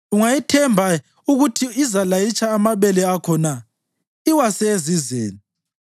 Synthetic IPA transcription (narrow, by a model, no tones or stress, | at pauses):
uŋajitʰɛmbʱa | uɣutʰiːzalajit͡ʃʰʼaːmaβɛlɛakʰɔna | iwasɛezizḛːni